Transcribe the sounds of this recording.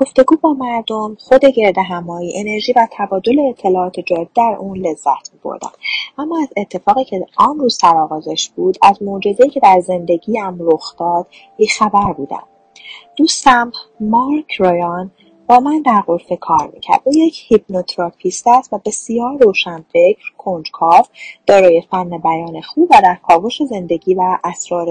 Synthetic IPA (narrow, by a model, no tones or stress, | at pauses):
ɡ̥o̞ft̪e̞ɡuːbɒːmæɾd̪o̞mχo̞d̪e̞ɟe̞ɾd̪eɦæmɒːjiʔene̞ɾʒiːvæt̪ʰæbɒːd̪o̞leːt̪ʰːe̞lɒːɒːt̪ʰe̞d͡ʒɒːb̪id̪æɾʔuːnle̞zːæt̪ʰmibʰo̰ɾd̪æ̰mʔæmːɒæze̞t̪ʰːe̞fɒːɣiːcʰeænɾuːz̥t̪æɾɒːɣɒːzeʃb̥uːd̪æzmod͡ʒe̞zejiːcʰe̞d̪æɾze̞nd̪e̞ɟiːæmɾoxd̪̥ɒːd̪̥ | biːxæbæɾbuːd̪æ̰m | d̪̥uːst̪æmmɒɾkʰɾojɒn | b̥ɒːmænd̪æɾɣoɾfekʰɒːɾmḭːcʰæ̰ɾd̪̥ʔuːjecʰhibnot̪ʰɾɒpʰist̪æst̪væbe̞sijɒːɾːoːʃænfe̞cʰɾkʰond͡ʒkʰɒːfd̪̥ɒːɾɒːje̞fænːebæjɒːne̞xuːbvæd̪æɾkʰɒːvo̞ʃeze̞nd̪e̞ɟiːvæʔːsɾɒːɾ